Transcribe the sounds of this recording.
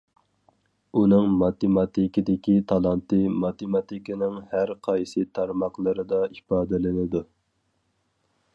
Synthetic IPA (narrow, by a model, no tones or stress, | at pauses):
unɨŋmɑt̪emɑt̪ʰikʲid̪ɪkʲit̪ʰɑlˠɑnt̪ɨmɑt̪emɑt̪ʰikinɪŋhæɾqʰɑjsɨt̪ʰɑɾmɑqlˠɨɾɨd̪ɑipɑːd̪ɪlɪnɪd̪u